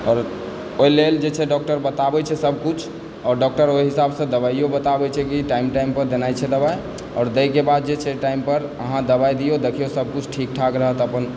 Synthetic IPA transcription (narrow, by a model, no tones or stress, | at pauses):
ɔːɾ | oileld͡ʒet͡ʃʰɛɖɔk̚ʈəɾbət̪abɛt͡ʃʰɛsəb̚ʱkut͡ʃʰ | ɔːɾɖɔk̚ʈəɾoiɦisabsə̃d̪əbaijobət̪abɛt͡ʃʰɛkiʈaimʈaimpəɾd̪enajt͡ʃʰɛd̪əbaj | ɔ̰ːɾd̪əjkebad̪̚d͡ʒet͡ʃʰɛʈaimpəɾəɦãd̪əbajd̪ijod̪ekʰijosəb̚ʱkut͡ʃʰʈʰik̚ʈʰakɾəɦət̪əpən